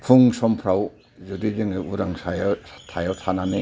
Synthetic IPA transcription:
pʰuŋsɔmpʰɾaw | zudidɯŋɯuɾaŋsajatʰajawtʰananɯ

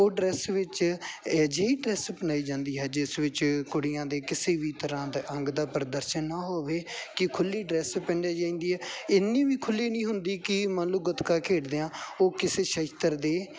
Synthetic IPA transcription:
oːɖɾɛːsʋɪt͡ʃ | d͡ʒeːiːɖɾɛːsbənaːiːd͡ʒãːnd̪iːɦɛːd͡ʒɪsʋɪt͡ʃkʊɽɪjãːd̪eːkɪseːʋiːt̪əɾãːd̪eʔə̃ŋɡd̪aːpəɾd̪əɾʃənːaːɦoːʋeːkɪkʰʊlːiːɖɾɛːspɛ̃ːɳɖaːd͡ʒaːĩːnd̪iːɦɛːɪnːĩːʋiːkʰʊliːnĩːɦʊnd̪iːkɪmənluːɡət̪kaːkʰeːʈd̪eːãːoːkɪseːʃəʃt̪əɾd̪eː

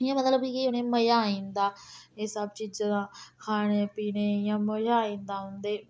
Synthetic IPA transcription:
jãːmət̪ləbkːkiʊnẽːməjaːaːĩːnd̪aːeːsəbt͡ʃiːd͡ʒad̪ãːkʰaːɽ̃eːpiːneːjãːməjaːĩːnd̪aːɦʊnd̪eː

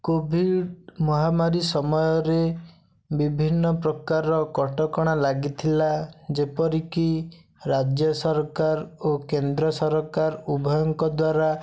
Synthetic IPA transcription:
kobʱiɖmɔɦamaɾisɔmɔjɔɾe | bibʱinːɔpɾɔkaɾɔkɔʈɔkɔɽ̃alaɡit̪ʰilad͡ʒepɔɾiki | ɾad͡ʒjɔsɔɾkaɾokend̪ɾɔsɔɾɔkaɾubʱɔjɔŋkɔd̪waɾa

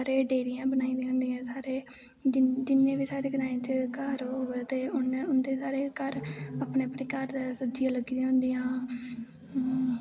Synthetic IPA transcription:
aːɾeːɖeːɾɪjãːbənaːĩːd̪ĩːɦʊnd̪ijãːsaːɾeː | d͡ʒd͡ʒɪnːẽːʋiːsaːɾeːɡəɾãːẽːt͡ʃkəɾːoɡt̪eːʊnʊnd̪eːsaːɾeːkəɾapɳeːəpneːkəɾsʊd͡ʒɪjãːləɡdijãːɦʊnd̪ijãː

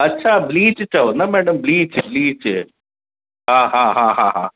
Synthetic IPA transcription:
ɐtːt͡ʃʰabliːt͡ʃt͡ʃaunamɛːɽəmbliːt͡ʃbliːt͡ʃ | ɦaːɦãːɦãːɦaːɦã̰ː

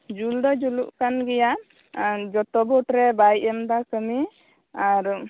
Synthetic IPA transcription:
d͡ʒuld̪ɔd͡ʒuluʔkanɡɛjaʔ | d͡ʒɔt̪ɔbɔʈɾɛbajɛmd̪akəmi | aɾ

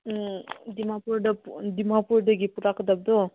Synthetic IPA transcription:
d̪imapuɾɖɐpd̪imapuɾɖəɡipuɾakəd̪ɐb̚d̪o

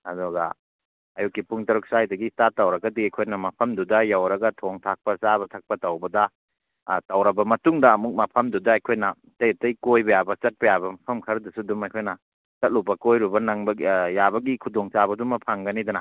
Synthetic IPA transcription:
ɐ̰dɔɡɐ̰ | ɐjukːipuŋtɐɾuk̚sajdɐɡistatːɐwɾɐɡɐdiajkʰojnɐmɐpʰɐmdudɐjawɾɐɡɐtʰoŋtʰak̚pɐsabɐtʰak̚pɐtɐwbɐdɐ | tɐwɾɐbɐmɐtuŋdɐːmuk̚mɐpʰɐmdudɐːjkʰojnɐ | tɐjtɐjkojbɐjabɐt͡ʃɐt̚pɐjabɐmɐpʰɐmkʰɐɾɐdɐsudumajkʰojnɐ | sɐt̚lupːɐkojɾubɐnaŋbɐjabɐɡikʰudoŋt͡ʃabɐdumɐpʰaŋɡɐnidɐnɐ

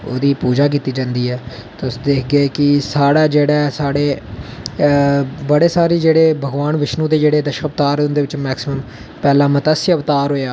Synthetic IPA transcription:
o̰ːd̪iːpuːd͡ʒaːk̬iːt̪iːd͡ʒãːnd̪iːɦɛːt̪ːʊsd̪eːkʰɡeːkɪsaːɽaːd͡ʒeːɽaːsaːɽeː | bəɽeːsaːɾiːd͡ʒeːɽeːbʱəɡʋaːnʋɪʃnũːd̪eːd͡ʒeːɽeːd̪əʃəkəpt̪aːɾʊnd̪eːʋɪt͡ʃmɛːksɪməm | pɛːlãːmət̪əsɪəʋt̪aːɾɦoːjaː

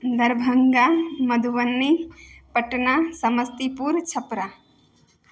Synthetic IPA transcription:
d̪ɐɾbʱəŋɡamɐd̪ʱuʋənːipəʈnasɐməst̪ipuːɾt͡ʃʰɐpɾa

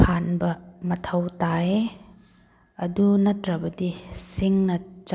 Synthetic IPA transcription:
kʰanbɐmɐtʰɐwtae | ɐdunɐtɾɐbɐdisiŋnɐt͡ʃ

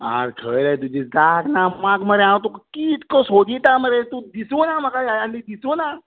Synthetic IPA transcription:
a̰ɾkʰəɾat̪ud͡ʒid͡zaknamakməɾeãwt̪ukkit̪kɔsod͡ʒit̪aməɾet̪ud̪isunamakajajãnd̪id̪isuna

